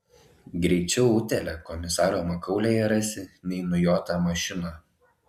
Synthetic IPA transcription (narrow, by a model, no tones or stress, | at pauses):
ɡɾʲɛɪt͡ʃʲɛʊʊt̪ʲɛlʲɛkɔmʲɪsɑːɾoːmɐkɐʊlʲeːjɛɾɐsʲɪnʲɛɪnʊjoːt̪ɑːmɐʃʲɪnɑ